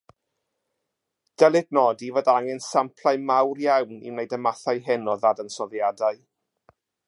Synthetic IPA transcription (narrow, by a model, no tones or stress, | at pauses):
d̥ɛlˠɪdnɔdivɔdaŋɛnsampʰlˠajmawrjawnḭwnejdəmaθajɦɛnɔðadənsɔðjadaɨ